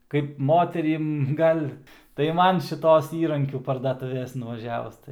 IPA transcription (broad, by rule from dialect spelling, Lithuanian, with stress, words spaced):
kɐɪp ˈmoːtʲɛrʲɪm ˈɡɐlʲ tɐɪ ˈmɐn ʃʲɪˈtoːs ˈiːrɐŋʲkʲuː pɐrdɐˈtuːʋʲeːs nʊʋɐˈʒʲæːʋʊs